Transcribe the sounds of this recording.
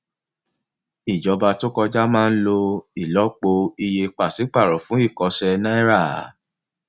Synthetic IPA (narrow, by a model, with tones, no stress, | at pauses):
i˨d͡ʒɔ˧ba˧to˦kɔ˧d͡ʒa˦mãː˦˧n̩˦lo˧i˦˨lɔ˨˦k͡po˧i˧je˧k͡pa˨si˨˦k͡pa˦˨ɾɔ˨fũ˨˦i˦˨kɔ˧ʃɛ˧nã˦ɛ˦ɾa˦˨˦